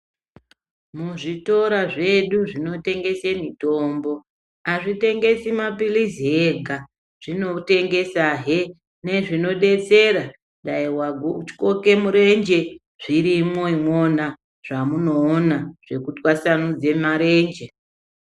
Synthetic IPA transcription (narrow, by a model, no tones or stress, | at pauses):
muʐito̞ɾaʐe̞ɗuʐino̞te̞ŋɡe̞se̞mito̞ːmbo̞ | aʐite̞ŋɡe̞simapiliziɦeɡʱa | ʐ̥ino̞te̞ŋɡe̞saɦe | ne̞ʐino̞ɗe̞t͡se̞ɾa | ɗaiwaɡot͡ʃi̥ko̞ke̞muɾe̞nd͡ʒe̞ | ʐ̥iɾimoimo̞na | ʐ̥amuno̞ːnaʐ̥e̞kutwasanud͡ze̞maɾe̞ːnd͡ʒe̞